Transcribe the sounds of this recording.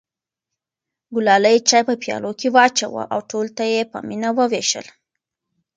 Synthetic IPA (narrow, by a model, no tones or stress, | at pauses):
ɡʊlɑləjt͡ʃɑjpəpjɑ̰lokewɑt͡ʃa̰wə̰ʔawʈolt̪ajepə̰minawəweʃə̰l